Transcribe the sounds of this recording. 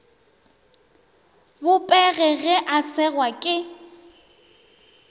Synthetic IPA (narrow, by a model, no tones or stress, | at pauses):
bʊpʼɛɣɛɣɛʔasɛɣwakʼɪ